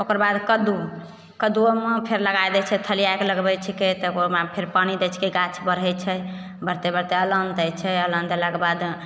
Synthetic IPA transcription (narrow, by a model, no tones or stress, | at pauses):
okəɾbad̪kəd̪u | kəd̪uomepʰeɾləɡajd̪ɛt͡ʃʰɛt̪ʰəliajkeləɡbɛt͡ʃʰiket̪ɔomapʰeɾpañid̪ɛt͡ʃʰkeɡat͡ʃʰbəɾɦɛt͡ʃʰɛ | bəɾt̪ebəɾt̪eələnd̪ɛt͡ʃʰɛələnd̪elaɡbad̪